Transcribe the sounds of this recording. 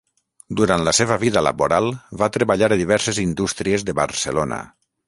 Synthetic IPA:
d̪uɾant̪ləseβəβiðələ̰βoɾalˠβat̪ɾeβaʎaɾðiβɛɾsezind̪ust̪ɾiezðəβə̰ɾsəlonə̰

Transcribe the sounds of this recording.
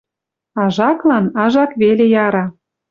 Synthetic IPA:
ɑʒɑklɑnɑʒɑkβelejɑɾɑ

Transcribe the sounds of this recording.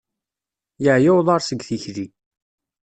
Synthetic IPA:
jəʕjɪwðˤɑɾˤsəɡθiçli

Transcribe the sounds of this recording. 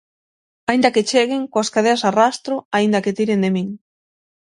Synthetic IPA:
aĩnd̪ɐket͡ʃeɣ̞eŋkoaskaðeasarast̪ɾoaind̪aket̪iɾend̪emĩŋ

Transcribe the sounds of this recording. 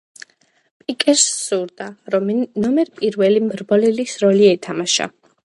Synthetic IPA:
pʼikʼɛɾsːuɾd̪aɾɔmnɔmɛɾpʼiɾvɛlimɾbɔlɛlisɾɔliɛt̪ʰamaʃa̰

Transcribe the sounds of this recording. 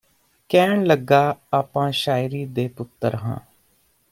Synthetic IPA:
kɛːɳləɡːaːaːpãːʃaːɪɾiːd̪eːpʊt̪ːə̰ɾɦã̰ː

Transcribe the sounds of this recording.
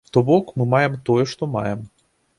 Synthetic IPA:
t̪ɔbɔkmɨmajɛmt̪ɔjɛʂt̪ɔma̰jɛm

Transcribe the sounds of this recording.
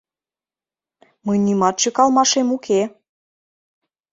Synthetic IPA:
məjnymɑt̪̚t͡ɕøkɑlmɑʃemukʰe

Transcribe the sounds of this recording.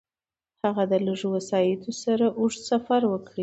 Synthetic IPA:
haɣad̪ələʐowasɑjɪt̪ʰosaɾaʔuʐsafaɾwəkɽi

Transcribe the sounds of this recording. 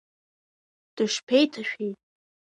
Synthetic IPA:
d̥ɨʂpʰejtʰaʃᶣejtʼ

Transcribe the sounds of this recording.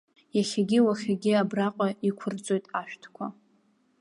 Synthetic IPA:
jaχʲaɡʲiwaχʲaɡʲiabraqʷʼaikʷʰʊrt͡sʼo̞jtʼaʃᶣtʰkʷʰa

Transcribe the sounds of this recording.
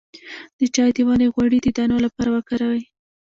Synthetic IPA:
d̪̥ət͡ʃɑjd̪iwɑneɣwaɽid̪əd̪ɑnolapɑɾawakaɾawaj

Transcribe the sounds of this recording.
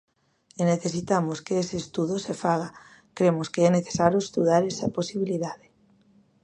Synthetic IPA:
eneθesit̪amoskeeseːst̪uðosefaɣa | kɾemoskeesneθe̥saɾjoest̪uðaɾesaposiβ̞iliðaðe

